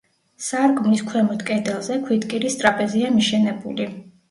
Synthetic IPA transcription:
saɾkʼmniskʰwɛmɔt̪kʼɛd̪ɛlˠzɛkʰwit̪kʼiɾist̪ʼɾapʼɛziamiʃɛnɛbuli

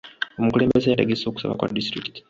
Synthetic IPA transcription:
omukulembbe̞zejateɡeso̞ːku̥sa̰βa̰kwa̰distɾiki̥ti̥

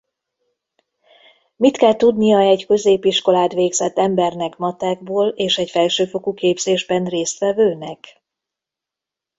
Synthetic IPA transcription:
mit̪kɛlt̪ud̪nijɒɛɟkø̞zeːpiʃko̞laːd̪ʋeːɡzɛt̪ːɛmbɛrnɛkmɒt̪aːɡ̚boːleːʃɛcfɛlʃøːfo̞kukeːbz̥eːʒbɛnreːst̪ʋɛvøːnɛk

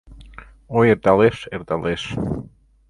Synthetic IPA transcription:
ojeɾd̪aleseɾd̪ales

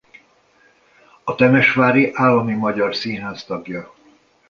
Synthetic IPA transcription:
ɒt̪ɛmɛʃʋaːɾiʔaːlːɒmimɒɟɒrsinɦaːst̪ɒɡjɒ

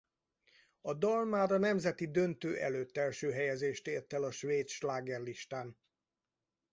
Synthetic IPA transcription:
ɒd̪ɒlmaːɾɒnɛmzɛt̪id̪ønt̪øːʔɛløːt̪ːɛlʃøːɦɛjɛzeːʃt̪eːrt̪ɛlɒʃʋveːt̪ʃlaːɡɛrliʃt̪aːn

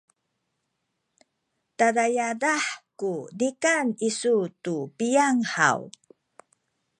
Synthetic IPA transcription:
taɾajadaħkunikanisutupijaŋħa̰w

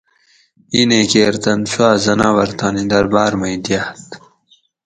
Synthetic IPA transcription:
inekeːɾt̪ɐnfuaːzɐnaːwɐɾt̪ɑːnid̪ɐɾbaːɾmɐjd̪jat̪

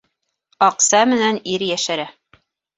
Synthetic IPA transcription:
ɑqsɑmɘ̆næniɾjæʃæɾæ

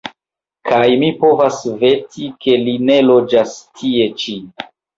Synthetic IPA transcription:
kʰajmipo̞vasve̞tʰike̞line̞lo̞d͡ʒastʰie̞t͡ʃi

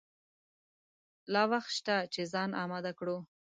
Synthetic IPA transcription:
lɑwaxt̪ʃt̪at͡ʃezɑnɑmad̪akɽo

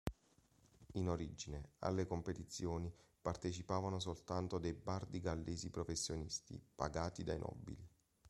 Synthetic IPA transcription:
inoɾid͡ʒinea̰lːekompet̪it̪sːjoːnipart̪et͡ʃipaːvanos̬olt̪ant̪od̪ejbard̪iɡalːeːzipɾofesːjonist̪ḭpa̰ɡaːt̪id̪ajnʔɔ̰bːḭli

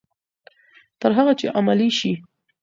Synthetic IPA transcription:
t̪əɾɦaɣat͡ʃeʔamaliʃi

